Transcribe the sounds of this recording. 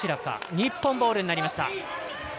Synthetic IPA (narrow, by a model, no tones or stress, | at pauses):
iɾaka̰ɲ̟ipːõ̞mbo̞ːɾɯ̟ɲinaɾʲimaɕi̥t̪a̰